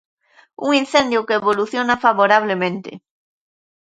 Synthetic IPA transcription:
ṵŋin̟θend̪jʊkeeβoluθjonafaβoɾaβ̞lemẽnt̪ɪ̰

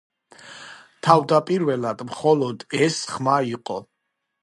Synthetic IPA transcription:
t̪ʰavd̪apʼiɾvɛlad̪mχɔlˠɔd̪ɛsχmaiqʼɔ

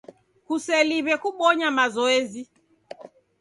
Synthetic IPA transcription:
kusɛliβɛkuɓɔɲamazɔɛzi

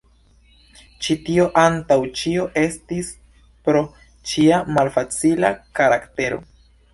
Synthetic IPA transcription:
t͡ʃitio̞ʔantawt͡ʃio̞ʔe̞stis | pɾo̞ | t͡ʃiamalfat͡sila̰kaɾakte̞ɾo̞̰

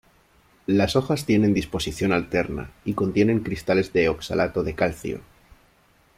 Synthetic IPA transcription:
laso̞xast̪je̞ne̞nd̪ispo̞siθjo̞nalt̪e̞ɾna̰ikont̪je̞nẽ̞ŋkɾist̪ale̞zðe̞oksa̰lʔat̪oðe̞kalθjo̰

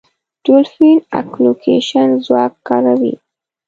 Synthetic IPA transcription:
d̥ulfina̰klokʰḛʃanzwakːaɾawḭ

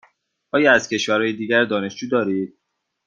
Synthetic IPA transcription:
ʔɒːjɒːæzcʰe̞ʃvæɾhɒːjed̪iːɟæɾd̪ɒːne̞ʃd͡ʒuːd̪ɒːɾiːd̪̚

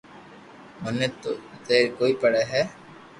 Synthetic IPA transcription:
ʊnet̪ot̪eːɾkoːiːpəɽɛɦɛː

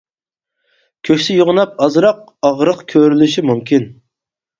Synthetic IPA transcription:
kʲʰøkʲsɪjoʁʊnɑp̚ɑzɾɑq̚ | ɑʁɾəqkʲʰøɾylyʃimumkʲʰin

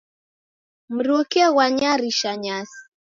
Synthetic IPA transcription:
m̩ɾokɛɣwaɲaɾiʃaɲasi̥

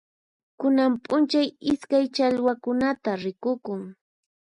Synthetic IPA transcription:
kʊnampʼʊnt͡ʃajɪskajt͡ʃaʎwakʊnat̪aɾɪkʊkʊŋ

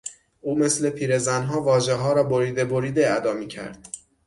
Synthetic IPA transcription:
ʔuːme̞sle̞pʰiːɾe̞zænɦɒːvɒːʒeɦɒːɾɒːboɾiːd̪eboɾiːd̪eæd̪ɒːmiːcʰæ̰ɾd̪̥

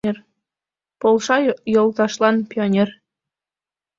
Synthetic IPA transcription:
er | polˠʃɑjolˠt̪ɑʃlˠɑnpʲionʲer

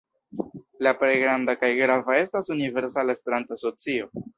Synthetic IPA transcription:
lapɾejɡɾandakajɡɾavae̞stasunive̞ɾsalaespe̞ɾantoaso̞t͡sio̞

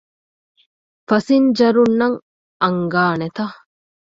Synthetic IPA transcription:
fɐsind͡ʒɐɾunːɐŋ | ɐŋɡaːnet̪ɐ

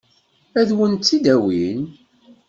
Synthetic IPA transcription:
æðwənt̪ːid̪æwin

